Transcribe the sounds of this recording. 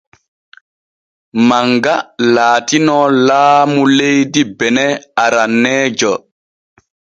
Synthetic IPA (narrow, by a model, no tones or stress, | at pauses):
maŋɡalaːtinɔlaːmulejdibɛnɛaɾanːɛːd͡ʒɔ